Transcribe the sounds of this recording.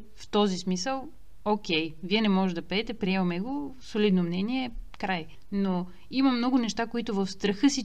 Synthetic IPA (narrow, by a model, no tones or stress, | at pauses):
ft̪ɔzismisəlˠ | okʲɛjviɛnɛmɔʒɛd̪ɐpɐɛt̪ɛpɾiɛvɐmɛɡosolid̪nomnɛniɛkɾaj | no | imɐmnɔɡʊnɛʃt̪akoit̪ʊvəfst̪ɾəxɤsi